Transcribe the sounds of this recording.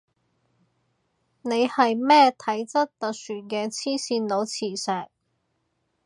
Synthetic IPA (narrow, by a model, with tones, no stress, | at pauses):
ne˨˧jhɐ˨jmɛː˥t̪ʰɐ˨˥jt͡sɐ˥t̚t̪ɐ˨k̚syː˨˩nkɛː˧t͡sʰiː˥siː˧nlo˨˧wt͡sʰiː˨˩sɛː˨˩k̚